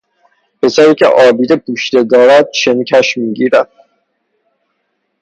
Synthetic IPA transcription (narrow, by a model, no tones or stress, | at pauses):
pʰe̞sæɾiːcʲʰḛʔɒːbiːd̪epʰuːʃd̪e̞d̪ɒːɾæd̪̥̚ʃencʰæʃmiːɟiːɾæd̪̥̚